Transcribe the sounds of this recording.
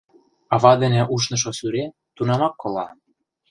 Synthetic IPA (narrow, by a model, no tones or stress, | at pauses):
ɑβɑd̪ĕnĕʔuʃnɤ̆ʃ̬osyɾe | t̪unɑmɑkːolɑ